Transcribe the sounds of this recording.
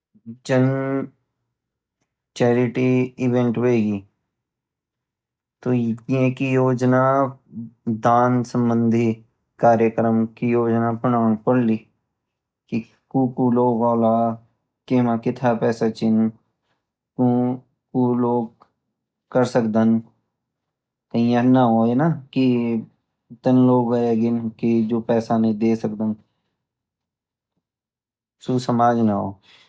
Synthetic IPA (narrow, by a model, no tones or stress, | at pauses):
t͡ʃən | t͡ʃɛːɾɪʈiɪʋẽɳʈʋeːɡiː | t̪oːiẽkijoːd͡ʒna | d̪aːnsə̃mbə̃nd̪ʱi | kaːɾjəkɾəmkijoːd͡ʒnapənaːɳ̃pəɽliː | ki | kũkuloːɡɔːlaː | keːmakɪt̪ʰapɛːsat͡ʃɪn | kũ | kuloːɡ̚ | kəɾsəkd̪ən | kəĩãnaɦoenaki | t̪ənloːɡəeɡɪnkid͡ʒoːpɛːsanĩd̪eːsəkd̪ən | susəmaːd͡ʒnaɦo̰ː